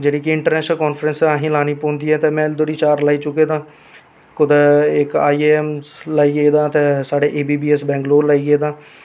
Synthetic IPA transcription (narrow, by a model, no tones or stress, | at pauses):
d͡ʒeːɽiːkiɪɳʈəɾnɛːʃnəlkɔːnfʰɾə̃nsaːɦĩːlaːniːpõːnd̪iːɛːt̪eːmɛ̃ːld̪oɽiːt͡ʃaːɾlaːiːt͡ʃʊkeːd̪ãː | kʊd̪ɪkaːiːɛːmlaːiːɡeed̪ãːt̪esaːɖeːʔeːbiːbiːɛːsbɛ̃ːŋɡloːlaːiːɡeeːd̪ãː